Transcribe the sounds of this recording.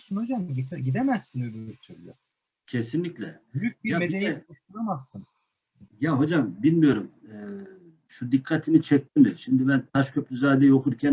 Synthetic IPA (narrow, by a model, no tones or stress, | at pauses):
sunhod͡ʒamɟit̪ʰɟid̪emæsːinøbyyɾt̪ʰyɾlʲɛ | cʰesinlʲiclʲɛbyjyk̚biɾjameeɛkoʃt̪uɾamasːɯn | jaɦo̞d͡ʒamd̪inmijo̞ɾumɛ | ʃud̪ikʰːat̪ʰinit͡ʃʰɛc̚t̪ʰimiʃimd̪ibænt̪ʰaʃcʰø̞plʲyzaːd̪ɛjo̞kʰuɾcʰæn